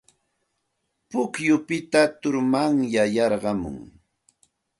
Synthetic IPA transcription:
pʊkjʊpɪt̪at̪ʊɾmaŋjajɑɾɢɑmʊ̰ŋ

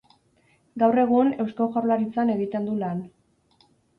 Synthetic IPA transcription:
ɡawre̞ɣ̞une̞wskoʝaɾlaɾit͡sane̞ɣit̪e̞nd̪ulan

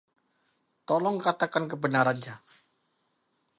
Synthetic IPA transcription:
t̪ɔlɔŋkat̪akankəbənaɾant͡ʃa

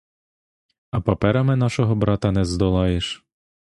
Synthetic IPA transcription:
ɐpɐpɛɾɐmɪnɑʃɔɦɔbɾɑt̪ɐnɛzd̪ɔlˠɑjeʃ

